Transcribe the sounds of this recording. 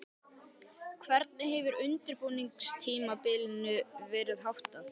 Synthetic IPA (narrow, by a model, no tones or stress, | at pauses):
kʰvɛɾt̪̚nɪɦɛvʏɾʏnt̪ɪɾpuːniŋkst̪ʰiːmapɪlɪnʏvɛːɾɪðɦawht̪aθ